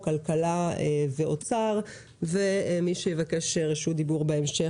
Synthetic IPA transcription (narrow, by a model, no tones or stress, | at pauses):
kalkalaeveot͡saʁ | vemiʃejevakeʃeʁeʃud̪ibuʁbeemʃe